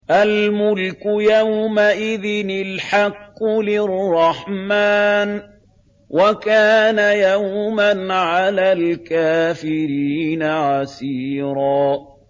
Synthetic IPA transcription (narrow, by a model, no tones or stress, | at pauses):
ʔalmʊlkʊjawmaʔɪðɪnɪlħɑqːʊlɪrˤːɑħmaːn | wakaːnajawmanʕalaːlkaːfɪɾiːnaʕasiːɾɑː